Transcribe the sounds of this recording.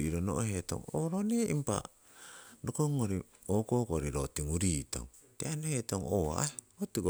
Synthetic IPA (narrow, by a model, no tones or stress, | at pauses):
iɾonoʔoheto̰ŋoɾoneʔimpa̰ | dokoŋoɾi | okokoɾiɾotiŋuɾiːto̰ŋ | teanohetoŋoa̰aeotiɡo